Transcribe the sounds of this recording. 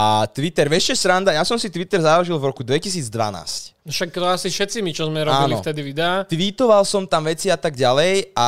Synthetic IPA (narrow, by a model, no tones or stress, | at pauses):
at̪ʋit̪ɛɾʋɛʃcɛsɾand̪ajasɔmsit̪ʋit̪ɛɾzaʒilvɾɔkud̪ʋɛcisiːd͡zd̪ʋa̰na̰ːscʃakːt̪ɔasifʃɛt̪simit͡ʃɔzmɛɾɔaːbinlɔft̪ɛd̪iʋid̪ɛat̪ʋit̪ɔʋalsɔmt̪amʋɛt͡siat̪aɡɟalɛja